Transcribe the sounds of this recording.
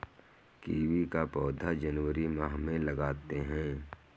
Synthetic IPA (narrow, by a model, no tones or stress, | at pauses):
kiːwikapɔːd̪ʱad͡ʒənwəɾimaɦmẽlɐɡaːt̪eɦɛ̃ː